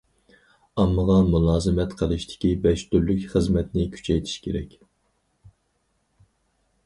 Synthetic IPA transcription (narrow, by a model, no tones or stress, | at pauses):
ɑmːɨʁɑmulˠɑːzɨmɛt̪qʰəlˠɨʃt̪ʰɪ̥kʲibɛʃt̪yɾlykʲχəzmɛt̪nɪkʲʰy̥t͡ʃʰɛjt̪ʰi̥ʃkʲʰeɾɛkʲ